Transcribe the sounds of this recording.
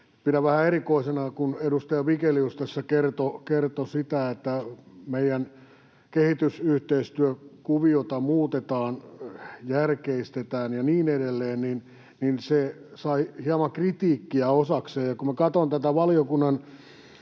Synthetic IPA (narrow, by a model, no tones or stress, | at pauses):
piɾæʋæhæerikoisenɑkuneɾust̪ɑjɑʋikeliust̪esːɑkert̪okert̪osit̪æet̪ːæmeijæn | kehit̪ysyht̪eist̪yøkuʋiot̪ɑmuːt̪et̪ɑːnjærkeist̪et̪æːnjɑniːnedelːeːnnin | ninsesɑihiɑmɑkrit̪iːkːiæosɑkseːjjɑkumækɑt̪ont̪æt̪æʋɑliokunːɑn